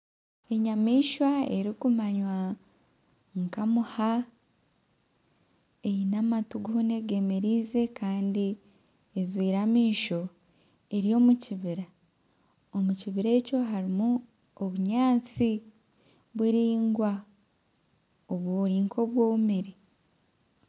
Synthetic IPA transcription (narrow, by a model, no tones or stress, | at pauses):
e̞ɲamiːʃwae̞ɾikumaɲwa | ŋkamuha | ejinamatuɡuune̞ɡe̞meɾiːze̞kaːndi | ezwiːɾamiːʃo̞ | e̞ɾjo̞ːmuciβiɾa | o̞muciβiɾe̞ːco̞ɦaɾimu | oβuɲaːt͡si | βwiɾiːŋɡwa | oβwoɾiːŋkʰo̞βwo̞ːβumiɾi